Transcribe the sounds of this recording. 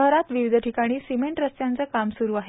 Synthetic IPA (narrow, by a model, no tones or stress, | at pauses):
əɦɾat̪ʋiʋid̪ʱəʈʰikaɽ̃iːsimeɳʈɾəst̪jant͡səːkamsuɾuːaɦe